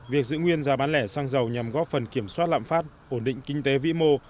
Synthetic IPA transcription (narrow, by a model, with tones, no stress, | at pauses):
vi˨˩ək̚zɨ̰˧˨ŋwi˧ənzaː˨˩ɓaː˨˦nlɛ˧˩saː˧ŋzə˨˩wɲa˨˩mɣɔ˦˥p̚fə˨˩nki˧˩əmswaː˦˥t̚la̰ː˧˨mfaː˦˥t̚ | ʔo˧˩nɗḭ˧˨ŋ̟kï˧ŋ̟t̪e˨˦vḭ˧˥mo˧